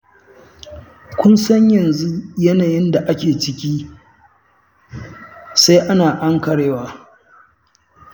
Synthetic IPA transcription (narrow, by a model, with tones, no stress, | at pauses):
kʷʊ˦nsɐ˦ɲjɐ˨nzu˦jɐ˦naː˨jɪ˦nda˨ʔa˦kʲeː˨t͡ʃɪ˦kʲiː˦ | sa˦jʔa˦naː˨ʔa˦ŋkɐ˨ɽeː˦waː˨